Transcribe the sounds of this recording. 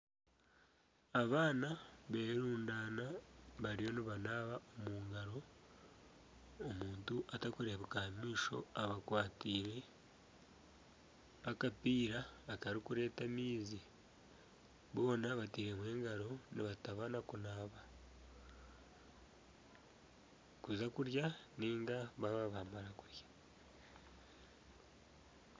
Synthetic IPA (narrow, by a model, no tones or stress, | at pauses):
aβaːnaβe̞ːɾeɾuːndaːnaβaɾijo̞niβanaːβaʔomuːŋɡaɾo̞ | muːntuʔatakuɾeβukahamiːʃo̞̰aβakwaːtiːɾe̞ | akapiːɾaːtaɾikuɾe̞ːtamiːzi | βo̞ːnaβatiːɾe̞mwe̞ːŋɡaɾo̞niβataβanakunaːβa | kuzakuɾjaniːŋɡaβaβaβaːmaɾakuɾjḁ